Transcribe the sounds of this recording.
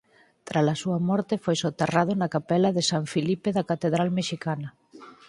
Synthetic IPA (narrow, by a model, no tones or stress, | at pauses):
t̪ɾasɐsuɐmɔɾt̪efojsot̪eraðʊnɐkapɛlɐðesaɱfilipeðɐkat̪eðɾalmeʃikanɐ